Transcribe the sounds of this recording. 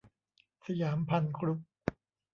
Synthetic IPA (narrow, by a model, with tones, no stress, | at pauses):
sa˧jaː˩˦mpʰa˧nkʰɾu˦˥k̚